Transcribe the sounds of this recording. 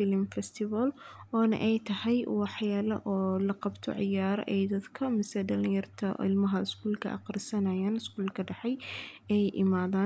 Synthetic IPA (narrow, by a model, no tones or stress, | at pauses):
fɪlmfɛst̪ʰɪβɐlɔːnɐ̰ʔɛjt̪ʰɐhɛjwɑħjaːlɐ̰ʔɔːlɐqɑbt̪ʰɔ̰ʕɪjaːɾ̰ʔɛjd̪ɐd̪kʰɐmɪsɛɖɐlɪjɐrt̪ʰɐ̰ɪ̰lmɐɦɐɪskʰuːlkʰɐ̰ʔɐ̰qɾɪsɐnɐjaːnɪskuːlkʰɐɖɐħɛj | ɛjʔɪmaːðaːn